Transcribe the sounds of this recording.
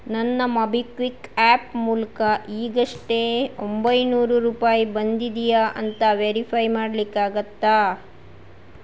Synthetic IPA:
nɐnːɐmɐbʱikʋikaːpmuːlɐkɐiːɡɐʂʈe̞ombɐjnuːɾuɾuːpaːjibɐnd̪id̪ijaʔɐnt̪ɐʋeɾipʰɐjmaːɽlikːaːɡɐt̪ːaː

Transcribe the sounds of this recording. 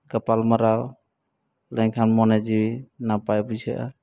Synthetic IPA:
ɡəpalməɾaw | ləŋkʰanmɔned͡ʒiwinapajbud͡ʒʱɛʔa̰

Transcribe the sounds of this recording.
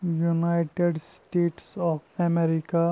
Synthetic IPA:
junaɪʈeɖsʈeːʈsɔːpʰɛmɛɾika

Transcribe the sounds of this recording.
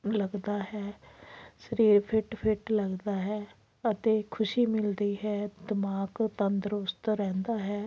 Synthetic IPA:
ləɡd̪aːɦɛː | səɾiːɾpʰɪʈpʰɪʈləɡd̪aːɦɛː | ət̪eːkʰʊʃiːmɪld̪iːɦɛːd̪ɪmaːkt̪ənd̪əɾʊst̪ɾɛ̃ːnd̪aːɦɛː

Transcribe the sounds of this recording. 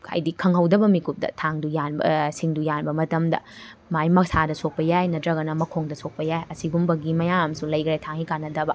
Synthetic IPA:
ɐ̰jdikʰɐŋɦɐwdɐbɐmikup̚dɐ̰tʰaŋdujanbɐ̰siŋdujanbɐmɐtɐmdɐ̰majmɐksadɐsok̚pɐjajnɐtɾɐɡɐnɐmɐkʰoŋdɐsok̚pɐjajɐsiɡumbɐɡimɐjaŋɐmsulɐjɡɾetʰaŋikanːɐdɐbɐ

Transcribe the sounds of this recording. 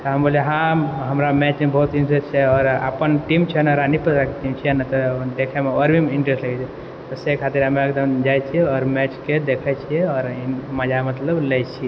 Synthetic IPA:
t̪ɔɦəmboliɦãɦəmɾamɛt͡ʃmebəɦut̪inʈɾest͡ʃʰɛɔːɾə̰pənʈimt͡ʃʰɛnəɾanipət̪ɾakeʈimt͡ʃʰiɛnət̪ɔd̪ekʰɛmeəɾbʱimiɳʈɾesʈləkʰɛt͡ʃʰɛ | t̪ɔsekʰat̪iɾɦəmeekd̪əmd͡ʒajt͡ʃʰiɔɾmɛt͡ʃked̪ekʰɛt͡ʃʰiɛɔːɾiməd͡ʒamət̪ləblɛjt͡ʃʰi

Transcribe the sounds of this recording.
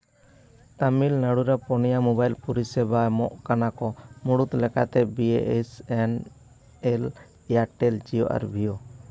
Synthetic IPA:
t̪amilnaɽuɾapɔnijamɔbajlpuɾisɛbamɔʔkanakɔmuɽut̪lɛka̰t̪ɛbieʔesɛn | ɛl | aɾʈɛld͡ʒijɔʔa̰ɾbʱijɔ

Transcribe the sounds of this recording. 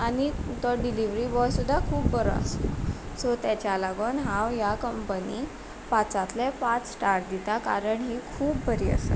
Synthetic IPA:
añit̪ɔɖiliʋɾibɔjsud̪ʱːakʰuːpbəɾo̰a̰st̪osot̪at͡ɕjalaɡonɦãwjakəmpəni | pat͡sat̪lepat͡ssʈaɾʈ̚d̪it̪akaɾəɳɦiːkʰuːpbəɾiːə̰sə̰

